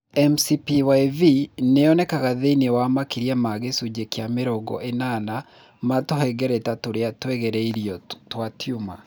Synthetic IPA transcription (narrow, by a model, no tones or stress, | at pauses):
ɛmsipiwaivineɔnɛkaɣaðeinewamakiɾiamaɣesud͡ʑekjameɾɔɡɔ̰ʔenaːna | matoɦɛɡɛɾɛtatoɾeatwɛɣɛɾɛiɾiɔtwatjuma